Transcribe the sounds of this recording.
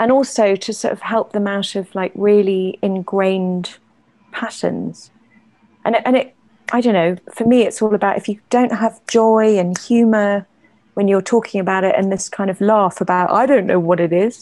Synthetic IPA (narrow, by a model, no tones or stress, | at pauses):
ʔə̃nɔˑlˠsoʊtʰɨsɔ̰ˑtəv̥hɛlˠp̚ðəmaʊɾəv̥laɪkɹɪəliɪ̃nɡɹẽɪ̃nd̥ | pʰatə̰̃nz̥ | ʔə̃nʔə̃nɪʔ | ʔaɪɾə̃ʊ̃nːoʊfəmiɪtsɔːlˠəbaʊtɪfjɨd̥ə̃ʊ̃nʔɦəvd͡ʒɔɪə̃nhjʉːmə˞ | wə̃njətʰɔˑkʰɪ̃ŋəbaʊɾɪtə̰̃nðɪskʰãɪ̃ndəvlɑˑfəbaʊta̰ɪdõʊ̃nːoʊwɒɾɪɾɪz̥